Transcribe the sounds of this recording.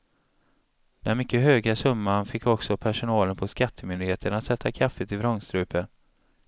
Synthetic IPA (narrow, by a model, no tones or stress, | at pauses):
d̪æɾmʏkːəɦøːɡasɵmːanfɪkʰːɔksɔpʰæʂʊnɑːlənpʰɔskat̪ʰːəmʏnd̪ɪɡheːt̪ʰəɳat̪sɛt̪ʰːakʰafːət̪ʰɪvɾɔŋst̪ɾʉ̟ːpən